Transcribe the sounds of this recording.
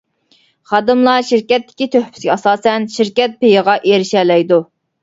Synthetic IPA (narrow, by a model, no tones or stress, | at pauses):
χɑd̪ɨmlˠɑʃiɾkʲɛt̪ːɪ̥kʲit̪ʰøhpʰy̥sɡʲɛɑsɑːsɛnʃiɾkʲɛt̪̚pejəʁɑʔeɾɪʃɛlɛjd̪u